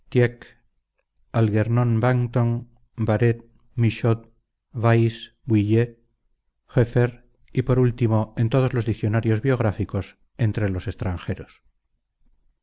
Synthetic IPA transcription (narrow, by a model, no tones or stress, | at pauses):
t̪jek | alɣe̞ɾnõnbaŋt̪oŋ | baɾet̪̚ | miʃot̪̚ | βajs | bwiʎe | xefeɾ | ipo̞ɾult̪imo̞e̞nt̪o̞ð̞o̞zlo̞zðikθjo̞naɾjo̞zβjo̞ɣ̞ɾafiko̞s | e̞nt̪ɾe̞lo̞se̞st̪ɾaŋxe̞ɾos